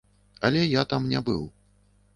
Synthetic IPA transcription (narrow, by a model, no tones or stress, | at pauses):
ɐlʲɛjat̪amnʲabɨ̰w